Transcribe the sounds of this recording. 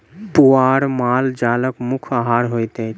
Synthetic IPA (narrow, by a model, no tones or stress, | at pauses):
puaːɾmaːld͡ʒaːləkmukʰaɦaːɾɦojt̪ɛ